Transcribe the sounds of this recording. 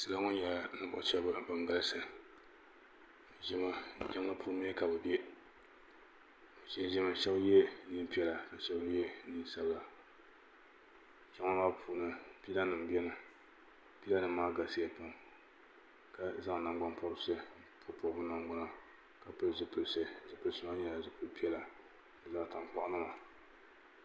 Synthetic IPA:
sɨ˦la˦ŋʊ˦n˦ja˨la˨nɨ˨˦bʊ̰˦˨˦t͡ʃɛ˦ba˦bɨ˨ŋɡa˦lsɨ˨ | ʒɛ˦ma˦˨d͡ʒɛ˦ŋ˦a˦pʰu˦mi˦ɛ˦ka˨bɨ˨bɛ˦˨ | t͡ʃɛ˦ʒɛ˦ma˨ʃɛ˦bjɛ˦ni˦n˦pi˦ɛ˦la˨ka˨ʃɛ˦bjɛ˦ni˦n˦sa˦bla˨ | t͡ʃɛ˦ŋa˦la˦pʰuː˨˦nɨ˨pi˦la˦nɨ˨m˨bɛ˦nɨ˨ | pi˦la˦nɨ˦mːaː˦ɡa˨se˦ɛ˨pʊ˨ŋ | ka˨za˦ŋ˨na˨ŋɡ͡ba˦npɔ˦ɾɨ˦sɛ˦pʰʊ˦po˨bɨ˦na˨ŋɡ͡ba˦na˨ | ka˨pɨ˦lzɨ˦pɨ˨lsɛ˦d͡ʒɪ˦pɨ˨lsɨ˦ma˦ɲɛ˦la˨zɪ˦pɨ˦lpi˦ɛ˦la˨ | dɨ˨la˦ta˨ŋ˨k͡pa˦˨ʔnɨ˦ma˨

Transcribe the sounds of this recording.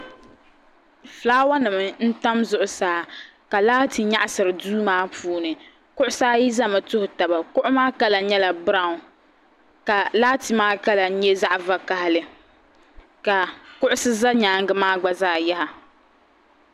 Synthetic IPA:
flaː˦wa˦nɨ˨mɨ˨n̩˦ta˦mzʊ˨ʔʊ˨saː˦ | ka˨laː˦tʰi˨ɲa˦ʔa˨sɨ˨ɾɨ˨duː˦maː˦pʰuː˦nɨ˨ | kʊ˦ʔʊ˦saː˦ji˦za˦ma˨tʊ˦hʊ˨ta˨ba˨kʊ˦ʔʊ˦maː˦ka˦la˨ɲɛ˦la˨bɨ˦ɾa˨ʊ˨ | ka˨laː˦ti˨maː˦ka˦la˨˦ɲɛ˦za˦ʔva˨ka˦hɪ˦lɨ˨ | ka˨kʊ˦ʔʊ˦sɨ˦za˦ɲaː˨˦ŋɡɨ˦maː˦ɡ͡ba˦zaː˦˨ja˦ha˨

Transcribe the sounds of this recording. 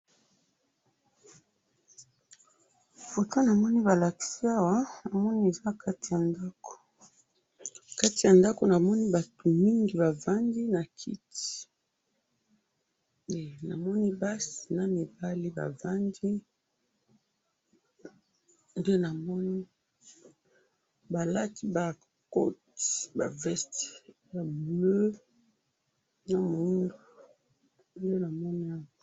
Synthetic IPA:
fo˨to˦na˨mɔ˦ni˦βa˨la˨ki̥˦si˦a˦wa˨˦na˨mɔ˦ni˦e˨za˦ka˦ti˨ja˨nda˦ko̥˨ | ka˦ti˨ja˨nda˦ko˨na˨mɔ˦ni˦ba˨tʰo˨mi˦ŋɡi˨βa˨va˦ndi˦na˨kʰi˦ti̥˨ | e˨na̰˨mɔ˦ni˦ba˦si˨na˦mi˨ba˦li˦ba̰˨va˦ndi˦ | nde˦na˨mɔ˦ni˦ | ba˨la˦ti˦ba˨ | ko˦ti̥ba˨vɛ˦st | ba˨blø˦ | na˦mu˨˦ndo˨ | nde˦na˨mɔ˦ni˦a˦˨

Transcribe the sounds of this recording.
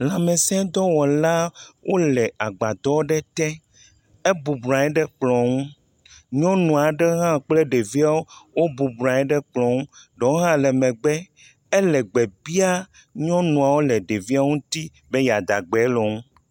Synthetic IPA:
lã˨mɛ̃˨sɛ̃˦d̪ɔ˦wɔ˨la˦wʔo˦lɛ˨a˨ɡ͡ba˨d̪ɔ˦wɖɛ˦t̪ɛ̃˦ | e˦bu˨bɾã˨ɛ˦ɖɛ˦k͡plɔ̃˨ŋũ˦ | ɲɔ̃˦nũ˨a˨ɖɛ˦ɦã˦˨k͡plɛ˦ɖe˨vi˦a˦wo˦wo˦bu˨bɾã˨ɛ˦ɖɛ˦k͡plɔ̃˨ŋũ˦ɖɔ˨wo˦ɦã˦lɛ˨mɛ̃˨ɡ͡bɛ˦ | ɛ˦lɛ˨ɡ͡bɛ˨bi˦a˦ | ɲɔ̃˦nũ˨a˨wo˦lɛ˨ɖe˨vi˦a˦ŋũ˦t̪i˦ | bɛ˦ja˨d̪a̰˨ɡ͡bɛ˨˦lɔ˨ŋũ˦

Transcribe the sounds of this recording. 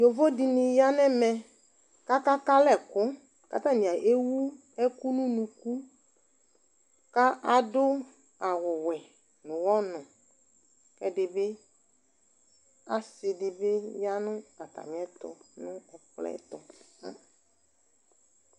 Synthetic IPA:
ɲo˨vo˦dɪ˨nɪ̃˨ja˦nɛ̃˦mɛ˨ | ka˦ka˦ka˦lɛ˨kʊ˦ | ka˦t̪ã˦nĩ˨a˨ʔe˦wu˦ | ɛ˦ku˦nũ˦nũ˨ku˦ | ka˦ʔa˨dʊ˦ | a˨wʊ˨wɛ˨ | nʊ̃˨wɔ˦nʊ̃˨ | kɛ˦dɪ˨bɪ˦ | a˦sɪ˨dɪ˨be˦ja˦nʊ̃˦a˨t̪a̰˨ɲ˨ɛ̃˦t̪ɔ̰˨nʊ̃˦ɛ˨klɛ̰˦t̪ɔ˨ã̰˦

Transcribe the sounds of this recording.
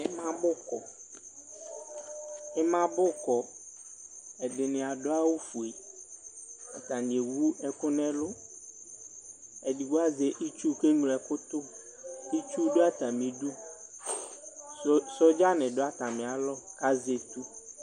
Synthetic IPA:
ɪ˦mã˦bʊ˦kɔ˨ | ɪ˦mã˦bʊ˦kɔ˨ | ɛ˨dɪ˨nɪ̃˨a˨dʊ˦a˦wu˦fu˨e˨ | a˨t̪a˨n˨e˨wu˦ɛ˦kʊ˦nɛ̃˦lʊ˦ | ɛ˨di˨wʊ˦a˦ze˨ʔi˦t͡ʃu˦ke˦ŋ˨lɛ˨kʊ˦t̪ʊ˦ | i˦t͡ʃu˦dʊ˦a˦t̪a˨mĩ˨du˦ | sɔ˦d͡ʒa˦nɪ̃˨dʊ˦a˦t̪a˨mɪ̃˨a˨lɔ˦ka˦ze˨t̪u˦

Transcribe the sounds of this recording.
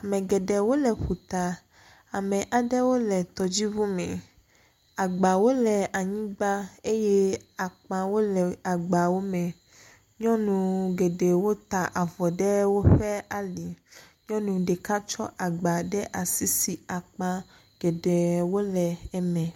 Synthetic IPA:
a˨mɛ̃˨ɡɛ˨ɖɛ˨wo˦lɛ˨ɸu˨t̪a˨ | a˨mɛ̃˨ʔa˨ɖɛ˦wo˦lɛ˨t̪ɔ˨d͡ʑi˦vu˦mɛ̃˨ | a˨ɡ͡ba˨wo˦lɛ˨a˨ɲĩ˦ɡ͡ba˦e˦jɛ˦a˨k͡pã˨wo˦lɛ˨a˨ɡ͡ba˨wo˦mɛ̃˨ | ɲɔ̃˦nũ˨ɡɛ˨ɖɛ˨wo˦t̪a˨ʔa˨vɔ˨ɖɛ˦wo˦ɸɛ˦a˨li˨ | ɲɔ̃˦nũ˨ɖɛ˨ka˦t͡ʃɔ̰˦ʔa˨ɡ͡ba˨ɖɛ˦ʔa˨si˦si˨a˨k͡pã˦ | ɡ̥ɛ˨ɖɛ˨wo˦lɛ˨ɛ˦mɛ̃˨

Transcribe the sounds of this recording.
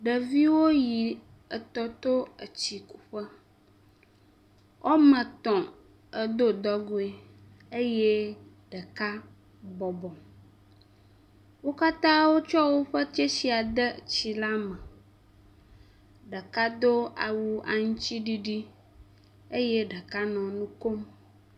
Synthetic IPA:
ɖə˨vi˦wo˦ji˨ | ə˨t̪ɔ˨t̪o˦ə˨t͡ɕi˨ku̥˨ɸə˦ | wʔɔ˦mə̃˨t̪ɔ̃˨ | ə˨d̪o˦d̪ɔ˦ɡo˦e˦ | e˦je˦ | ɖə˨ka˦ | bɔ˨bɔ˨ | wo˦ka˦t̪ã˦wo˦t͡ʃɔ˦wo˦ɸə˦t̪e˦si˨a˨d̪ə˦t͡ɕi˨la˦mə̃˨ | ɖə˨ka˦d̪o˦a̰˨wu˦a˨ŋũ˦t͡ɕi˦ɖi˦ɖi˦ | e˦je˦ɖə˨ka˦nɔ̃˨nũ˦ko˦m

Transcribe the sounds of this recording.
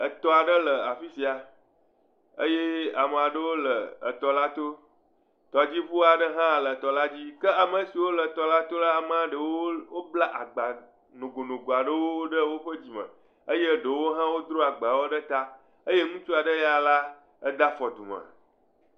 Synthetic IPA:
ə˨t̪ɔ˨a˨ɖə˦lə˨a˨fi˦si˨a˨ | ə˦je˦a˨mə̃˨a˨ɖə˦wo˦lə˨ə̰˨t̪ɔ˨la˦t̪o˦ | t̪ɔ˨d͡ʑi˦ɸu˦a˨ɖə˦ɦã˦˨lə˨t̪ɔ˨la˦d͡ʑi˦kə˦a˨mə˨si˨wo˦lə˨t̪ɔ˨la˦t̪o˦la˦a˨mə̃˨a˨ɖə˨wo˦wo˦bla˦ʔa˨ɡ͡ba˨ | nũ˨ɡo˨nũ˨ɡo˨a˨ɖə˦wo˦wo˦ɖə˦wo˦ɸə˦d͡ʑi˨mə̰̃˨ | ə˦je˦ɖə˨wo˦ɦã˦wo˦d̪ɾo˦a˨ɡ͡ba˨wo˦ɖə˦t̪a˦ | ə˦je˦ŋũ˦t͡ʃu˦a˨ɖə˦ja˦la˦ | ə˦d̪a˦fɔ˨d̪u˨mə̰˨

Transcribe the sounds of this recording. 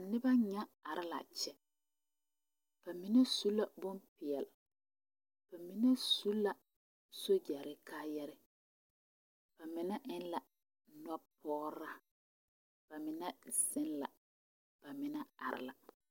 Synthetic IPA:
a˨nɪ˦ba˦ɲa˦a˨ɾɪ˦la̰˨t͡ʃɛ˦ | b̥a˨mi˨nɛ˦su˦la˦˨bʊ˦npɪ˨jɛ˨l | b̥a˨mi˨nɛ˦su˦la˨ | so˦d͡ʒɛ˨ɾɪ˦kʰaː˦jɛ˦ɾɪ˦ | b̥a˨mɪ˨nɛ˦ʔɪ˦nla˨ | nɔ˦pʰɔː˦ɾa˦ | b̥a˨mɪ˨nɛ˦sɪ˦nla˨ | b̥a˨mɪ˨na˦a̰˨ɾɪ̰˦la˨

